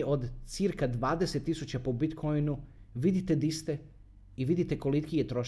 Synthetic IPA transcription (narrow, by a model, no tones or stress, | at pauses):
ʔo̞d̪t̪siɾkad̪ʋaːd̪e̞set̪ːisut͡ɕapobit̪kʰo̞jnu | ʋid̪it̪e̞d̪ist̪e | iʋid̪it̪e̞ko̞likijet̪ɾo̞ʃ